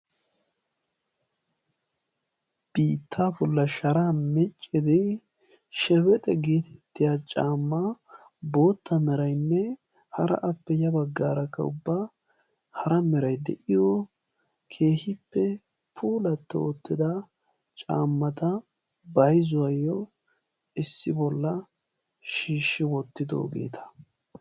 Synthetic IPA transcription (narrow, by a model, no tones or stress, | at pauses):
b̥iːt̪ʰːaːbɔlːɐʃɐɾamɛt͡ʃʼːɪd̪ɛ | ʃɛbɛt̪ʼɛɡeːt̪ʰɛ̥t̪ːɪjaːt͡ʃʼaːmːa | bo̞ːt̪ːɐmɛɾɐjnːɛ | hɐɾɐ̰ʔɐpːɛjɐbɐɡːaːɾɐkːɐ̰ʊ̰bːa | hɐɾɐmɛɾɐjd̪ɛ̰ʔɪjɔ | kʰe̞ːhɪpːɛ | pʰuːlɐt̪ːɛ̰ot̪ːɪd̪ɐ | t͡ʃʼaːmːɐt̪ɐ | bɐjzʊwɐjːɔ | ɪsːɪbɔlːɐ | ʃiːʃːɪwɔt̪ːɪd̪o̰ːɡe̞̰ːt̪ʰɐ̥